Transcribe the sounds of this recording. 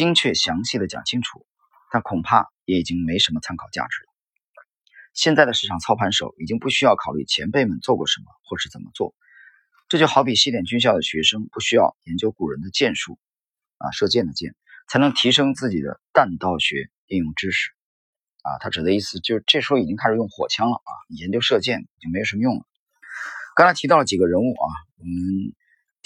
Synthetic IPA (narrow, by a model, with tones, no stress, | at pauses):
t͡ɕi˥ŋt͡ɕʰɥɛ˥˩ɕjɑ˧˥ŋɕi˥˩d̪ə˩t͡ɕjɑ̰˨˩ŋt͡ɕʰi˥ŋʈ͡ʂʰu̥̰˨˩˦ | t̪a˥˩nkʰʊ˨˩ŋpʰa˥˩jɛ˧˥i˨˩t͡ɕi˥ŋme˧˥ɪʂə˧˥nmə˧t͡sʰa˥nkʰɑ˨˩ʊt͡ɕja̰˥˩ʈ͡ʂɻ̩˧˥ə˧ | ɕjɛ˥˧nt͡sa˥˩ɪd̪ə˩ʂɻ̩˥˩ʈ͡ʂʰɑ˨˩ŋt͡sʰɑ˥ʊpʰa˧˥nʂo˨˩˦ʊi˨˩t͡ɕi˥ŋpu˥˩ɕy˥jɑ˥˩ʊkʰɑ˨˩ʊly̰˥˩t͡ɕʰjɛ˧˥npe˥˩ɪmə˨˩nt͡swɔ˥˧kwɔ̰˥˩ʂə˧˥nmə̰˧xwɔ˥˩ʂɻ̩˥˩t͡sə˨˩nmʔə˦t͡swɔ̰˥˩ | ʈ͡ʂɤ˥˩t͡ɕjo˥˩ʊxɑ˧˥ʊpi˨˩ɕi˥˩ljɛ˨˩nt͡ɕy˥nɕ̬jɑ˥˩ʊd̪ə˩ɕɥɛ˧˥ʂɤ˥ŋpu˥˩ɕy˥jɑ˥˩ʊjɛ˧˥nt͡ɕjo˥ʊku˨˩ɻə˧˥nd̪ə˧t͡ɕjɛ˥˧nʂu˥˩ | ɐ̰˧ʂɤ˥˧t͡ɕjɛ˥˩nd̪ə˩t͡ɕjɛ̰˥˩n | t͡sʰa˥nɤ˧˥ŋt̪ʰi˧˥ʂɤ˥ŋt͡sɹ̩˥˩t͡ɕi˨˩d̪ə̰˦t̪a˥˧nt̪ɑ˥˩ʊɕɥɛ̰˧˥ | i˥˧njʊ˥˩ŋʈ͡ʂɻ̩˥ʂɻ̩˨˩˦ | ɐ̰˧t̪ʰa˥ʈ͡ʂɻ̩˨˩d̪ə˦i˥˩sɹ̩˨˩t͡ɕjo˥˧ʊʂɻ̩˥ʈ͡ʂɤ˥˩ʂ̩˧˥xo˥˩i˨˩t͡ɕi˥ŋkʰa˥˩ʂɻ̩˨˩jʊ˥˩ŋxwɔ̰˨˩t͡ɕʰjɑ˥ŋlə˨˩ɐ̰˧ni˨˩jɛ˧˥nt͡ɕjo˥ʊʂɤ˥˧t͡ɕjɛ˥˩ni˨˩t͡ɕi˥ŋme˧˥ɪo˨˩ʂmə˧jʊ˥˩ŋlə̰˩ | kɑ˥ŋt͡sʰɪt̪ʰi˧˥t̪ɑ˥˩ʊlə˩t͡ɕi˨˩ɡə˦ɻə˧˥nu˥˩ʔɐ̰˩wɔ˨˩mmə˦n